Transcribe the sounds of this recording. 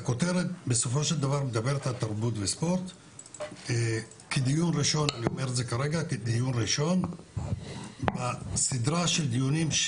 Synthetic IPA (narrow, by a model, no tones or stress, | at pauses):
ako̞t̪e̞ʁet̪̚be̞so̞fo̞ʃeld̪avaʁmed̪abe̞ɾet̪halt̪aʁbut̪vespo̞ɾt̪ | kʰed̪ijunʁiʃo̞naniome̞ʁɾetzekaɾe̞ɡaked̪ijunʁiʃo̞n | basid̪ɾaʃeld̪ijunimʃ